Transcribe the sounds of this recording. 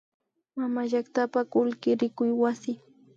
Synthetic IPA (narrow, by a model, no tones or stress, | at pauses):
mamaʒakt̪apakʊlkɪɾɪkʊjwasɪ